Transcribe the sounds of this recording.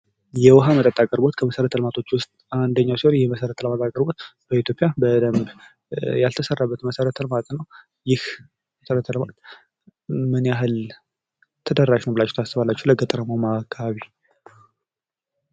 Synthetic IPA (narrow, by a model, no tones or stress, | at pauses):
jɛwɔɦamət̪ʼət̪ʼːakʼəɾbo̞t̪kʰəməsəɾət̪ʰəlmat̪ʰo̞t͡ʃːwʊst̪̚ʼand̪əɲːawsihonjɛməsəɾət̪ʰəlmat̪ʼakʼəɾbo̞t̪b̥əit̪ʰjo̞pʼɪjabəd̪əmb | jalt̪ʰəsərːabːət̪məsəɾət̪ʰəlmat̪ʼnəw | jɪh | mməsəɾət̪ʰəlmat̪ | mɨnaɦɨl | t̪ʰəd̪əraʃnəwbɨlat͡ʃːɛ̥wt̪ʰasɨβalːat͡ʃːɛwləɡət̪ʼəɾəmomaːkʰːaβaβi